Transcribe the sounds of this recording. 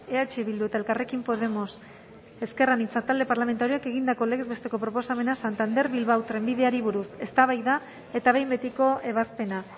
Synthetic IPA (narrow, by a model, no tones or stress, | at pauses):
e̞at͡ʃiβild̪ue̞t̪ae̞lkare̞kimpo̞ð̞e̞mo̞s | e̞ske̞ranit͡sat̪ald̪e̞paɾlame̞nt̪aɾioeke̞ɣind̪ako̞le̞ɣezβe̞st̪e̞ko̞pɾo̞po̞same̞nasant̪and̪e̞ɾβilβawt̪ɾe̞mbiðe̞aɾiβ̞uɾuse̞st̪aβ̞ajða | e̞t̪aβ̞e̞jmbe̞t̪iko̞ʔe̞βaspe̞na